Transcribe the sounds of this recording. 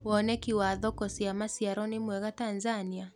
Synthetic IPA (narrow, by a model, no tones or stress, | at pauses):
wɔnɛkiwaðɔkɔsiamasiaɾɔnimwɛɣatanzania